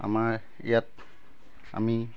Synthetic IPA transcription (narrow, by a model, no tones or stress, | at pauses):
a̰ma | ijat̪̚ | a̰mi